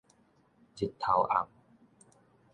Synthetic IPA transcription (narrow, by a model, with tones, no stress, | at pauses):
t͡ɕi˨˩t̪ʰːa˨˦wʔa̰˨˩m